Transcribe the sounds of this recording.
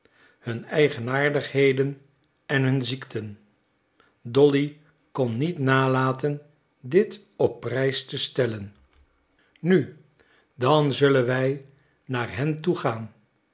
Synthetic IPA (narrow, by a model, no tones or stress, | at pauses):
hɵnɛjχənaːɹdəχɦejdən | ɛnɦɵnziktʰən | dɔli | kɔnːitnaːlaːtən | dɪt | ɔpːrɛjstəstɛlən | ny | dɑnzɵlənʋɛj | naːɹɦɛntuχaːn